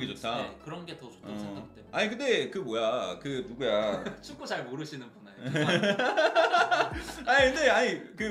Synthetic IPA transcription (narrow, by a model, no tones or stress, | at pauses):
ɡid͡ʑotʰakɯɾʌnɡe̞tʌt͡ɕʰo̥ʌseɡakt͈eaɲikɯnde̞kɯmojakɯnuɡujat͡ɕʰuk͈ot͡ɕaɭmoɾɯɕʰinɯnbʰunajo | aɲikɯndeaɲikɯ